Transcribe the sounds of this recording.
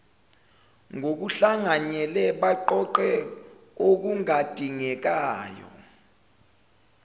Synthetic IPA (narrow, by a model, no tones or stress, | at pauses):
ŋʱok̬uɬaŋaɲɛlɛɓaǃɔǃɛ | ok̬uŋad̥ʱiŋɛk̬aːjɔ̰